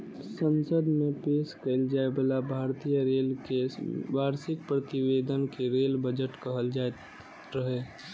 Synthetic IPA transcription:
sə̃nsəd̪mẽpeːʃkəɪld͡ʒaːebəlabʱaːɾt̪ijəɾeːlkeʋaːɾsɪk̚pɾət̪ɪʋeːd̪ənkeɾeːlbəd͡ʒəʈkəɦəld͡ʒaːe | ɾəɦeː

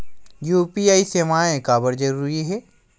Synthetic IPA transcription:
juːpiaːiseːmaːẽkaːbəɾd͡ʒɐɾuːɾiɦɛː

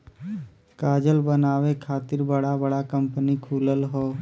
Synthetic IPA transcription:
kaːd͡ʒəlbənaːʋekʰaːt̪ɪɾbəɽabəɽakə̃mpənikʰuːləlɦoː

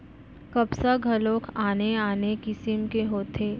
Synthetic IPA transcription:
kɐbsaɡʱɐlõːkʰaːneaːnekɪsɪmkeɦoːt̪ʰeː

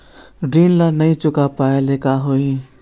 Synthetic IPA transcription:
ɖiːnlanəĩt͡ʃʊkapaːelekaɦoi

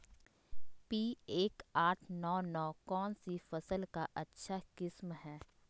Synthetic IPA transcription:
piːeːkaːʈʰnɔːnɔːkɔːnsifɐsəlkaʔɐtːʃʰakɪsmɦɛː

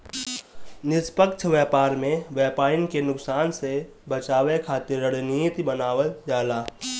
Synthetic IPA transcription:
nɪspəkt͡ʃʰʋjɛːpaːɾmẽʋjɛːpaːɾɪnkenʊksaːnse | bət͡ʃaːwekʰaːt̪ɪɾəɽnit̪ibənaːʋəld͡ʒaːlaː

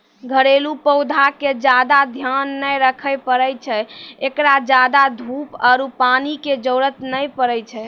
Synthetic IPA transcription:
ɡʱəɾelupəʊd̪ʱaked͡ʒad̪ad̪ʱjanːəjɾəkʰəjpəɾəjt͡ʃʰɛekɾad͡ʒad̪ad̪ʱupaɾupaniked͡ʒəwɾət̪nəjpəɾəjt͡ʃʰɛ

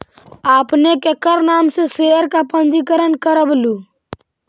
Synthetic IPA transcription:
aːpnekekəɾnaːmseseəɾkapə̃nd͡ʒikəɾənkəɾəblu

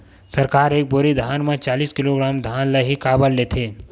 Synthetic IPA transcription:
səɾkaːɾeːk̚boɾid̪ʱaːnmẽt͡ʃaːliːskɪloɡɾaːmd̪ʱaːnləɦikaːbəlːeːt̪ʰeː

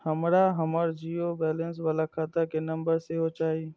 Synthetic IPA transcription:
həmɾaɦəməɾd͡ʒiːobɛːlə̃ns̬ʋalakʰaːt̪akenɐ̃mbəɾseɦot͡ʃaːi

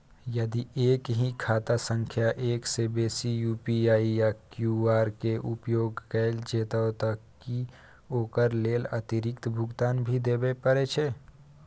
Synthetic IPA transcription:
jɐd̪ieːkɦikʰaːt̪asə̃ŋkʰjaʔeːksebeːsijuːpiaːijakjuaːɾkeʔʊpjoːɡkɛːld͡ʒeːt̪aot̪ɐkːi | oːkəɾleːlɐ̰t̪ɪɾɪkt̪bʱʊɡt̪aːnbʱid̪eːbepəɾet͡ʃʰe

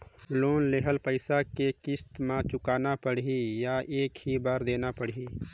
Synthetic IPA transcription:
loːnleɦəlpəɪsakekɪst̪mãt͡ʃʊkaːnapəɽɦijaʔeːkhibəɾd̪eːnapəɽiː

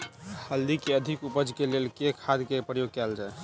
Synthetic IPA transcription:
həld̪ikeəd̪ʱikupəd͡ʒkelelkekʰad̪kepɾəjoɡ̚kɛld͡ʒae

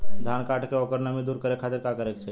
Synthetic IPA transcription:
d̪ʱankaʈkeokəɾnəmid̪uːɾkəɾekʰat̪ɪɾkakəɾekt͡ʃʰe

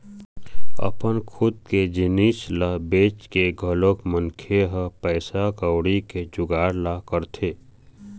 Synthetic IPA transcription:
ə̰pənkʰʊd̪̚ked͡ʒɪniːʃlabeːt͡ʃkeɡʱəloːkmənkʰeɦəpɛːsakəwɽiked͡ʒʊɡaːɾlakəɾt̪ʰeː

